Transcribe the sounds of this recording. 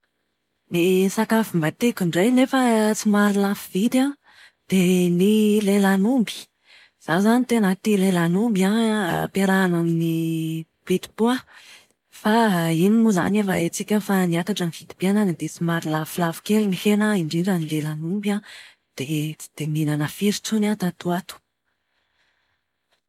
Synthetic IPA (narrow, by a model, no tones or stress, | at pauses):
nisakafimbat̪ekʲiɳɖ͡ʐejnefət͡simaɾilafivit̪a | d̪̥enilelanumbi̥ | z̥azanit̪enət̪ilelanumbiapeɾanamini | v̥it̪i̥pua | fainimuza̰nevaet͡sikʲəfaniat̪aʈ͡ʂəniv̥id̪ib̥iananid̪et͡simaɾilafilavi̥kʲelinihenəiɳɖ͡ʐiɳɖ͡ʐanilelanumba | d̪̥ed̪̥eminanəfiɾit͡sunat̪at̪uat̪u̥